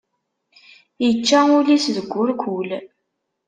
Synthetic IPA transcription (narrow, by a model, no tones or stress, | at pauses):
jət͡ʃːaʊlisðəɡʷːʊɾkʷʰʊl